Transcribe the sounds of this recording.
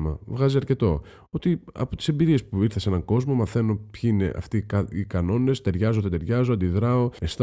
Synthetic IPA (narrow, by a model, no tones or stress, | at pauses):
mɐ̰vɣɐziɐɾce̞t̪o̞ | o̞t̪iɐ̰po̞t̪ise̞mbiɾie̞spuiɾθesee̞nɐŋɡo̞zmo̞mɐθe̞no̞pçiine̞̰ʔɐ̰ft̪ikɐikɐno̞ne̞st̪e̞ɾʝɐzo̞t̪et̪e̞ɾʝɐzo̞ɐnd̪iðɾɐo̞est̪